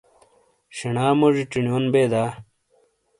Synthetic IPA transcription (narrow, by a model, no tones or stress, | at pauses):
ɕiɳaːmoʐiʈ͡ʂinijoːnbeːd̪aː